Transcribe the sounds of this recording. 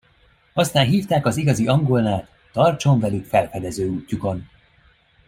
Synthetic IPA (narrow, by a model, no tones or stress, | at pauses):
ɒst̪aːnɦiːft̪aːkɒziɡɒziʔɒŋɡolnaːt̪ːɒrt͡ʃo̞ɱvɛlykfɛlfɛd̪ɛzøːuːcːuko̞n